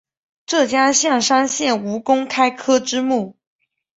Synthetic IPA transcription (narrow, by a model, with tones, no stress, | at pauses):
ʈ͡ʂɤ˥˩t͡ɕja˥ɕjɑ˥˩ŋʂa˥ŋɕjɛ˥˩nu˧˥kʊ˥ŋkʰa˥ɪkʰɤ˥ʈ͡ʂɻ̩˥mu˥˩